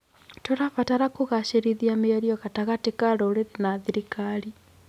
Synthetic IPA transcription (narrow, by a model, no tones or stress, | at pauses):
toɾaβataɾakoɣaʃeɾiðiameaɾiɔɣataɣatekaɾoɾeɾenaðiɾikaɾi